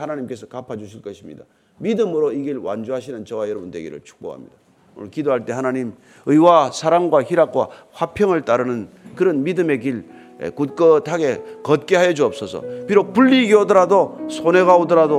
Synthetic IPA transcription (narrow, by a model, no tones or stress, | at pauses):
hanaɲimk͈e̞sʰʌkapʰad͡ʑuɕʰiɭk͈ʌɕʰimɲḭda | midɯmɯɾoiɡiɭwa̰nd͡ʑoɦaɕʰinɯnt͡ɕʌwajʌɾʌbundwe̞ɡḭɾɯ̰ɭt͡ɕʰu̥k̚p͈o̰ha̰mɲḭd̥a | onɯɭkidoɦaɭt͈e̞hanaɲim | ɯiwasʰaɾaŋɡwaçiɾak̚k͈wa̰ | ɸwapʰjʌŋɯɭt͈aɾɯnɯnkɯɾʌnmidɯme̞kiɭ | ḛkut̚k͈ʌtʰaɡe̞kʌt̚k͈e̞ɦajʌd͡ʑuʌp̚s͈ʌsʰʌ̰piɾok̚puɭːiːɡiodʌɾadosʰone̞ɣaodʌɾado